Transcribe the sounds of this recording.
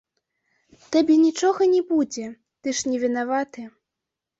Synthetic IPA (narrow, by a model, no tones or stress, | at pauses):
t̪abʲɛnʲit͡ʂɔɣɐnʲɛbud͡zʲɛ | t̪ɨʂnʲɛvʲinavat̪ɨ